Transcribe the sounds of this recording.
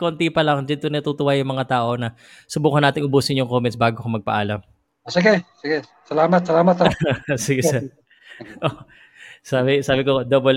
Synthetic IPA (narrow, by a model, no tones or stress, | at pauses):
koːnt̪ipɐlɐŋd͡ʒɐnt̪onɐt̪ut̪ʊwajʊŋmɐŋat̪aːʔo̞nɐ | sʊbuːkɐnaːt̪ɪŋʔʊbuːsɪnjʊŋkoːmɛnsbaːɡokomɐɡ̚pɐ̰ʔaːlɐm | osɪɡɛsɪɡɛ | sɐlaːmɐt̪̚sɐlaːmɐt̪asɪɡɛsɛ | ʔo | sabɪsaːbɪkod̪obol